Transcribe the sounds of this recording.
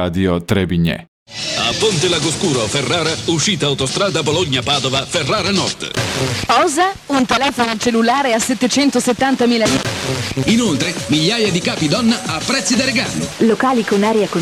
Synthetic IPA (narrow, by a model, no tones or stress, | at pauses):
ad̪jot̪ɾebiɲːɛ̰ | a̰pːont̪elaɡoskuːɾoferːaːɾauʃːiːt̪aːwt̪ost̪ɾaːd̪aboloɲːapaːd̪ovaferːaːɾanɔrd̪pɔːzaunt̪elɛːfonot͡ʃelːulaːɾeaset̪ːet͡ʃɛnt̪oset̪ːant̪amiːlaliːinolt̪ɾemiʎːaːjad̪ikaːpid̪ɔnːaapːɾɛt̪sːid̪aɾeɡanːḭlokaːlikonaːɾeako